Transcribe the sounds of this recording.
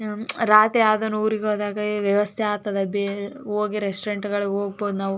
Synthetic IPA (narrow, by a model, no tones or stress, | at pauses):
ɾaːt̪ɾiaːd̪ɐnːuuːɾiɡoːd̪aːɡɐiʋjɐʋɐst̪ʰeaːt̪ːɐd̪eɐbʱɐoːɡiɾesʈɾeɳʈɡɐɭuɡoːɡ̚boːd̪unaːʋ